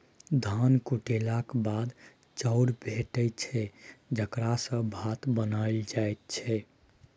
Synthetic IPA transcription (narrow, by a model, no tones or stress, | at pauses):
d̪ʱankuʈelakbad̪ | t͡ʃəʊɾbʱeʈət͡ʃʰɛd͡ʒəkɾasə̃bʱat̪bənaɪld͡ʒajt̪̚t͡ʃʰɛ